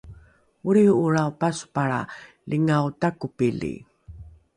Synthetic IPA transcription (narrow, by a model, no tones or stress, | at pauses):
uɾiuɾaupasu̥paɾa̰ | lʔiŋawtakupilḭ